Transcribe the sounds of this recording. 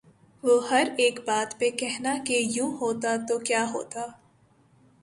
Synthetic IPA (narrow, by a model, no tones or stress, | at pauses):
ʋoɦɐɾeːkbaːt̪pekɛɦnakejũːɦoːt̪at̪okjaːɦoːt̪aː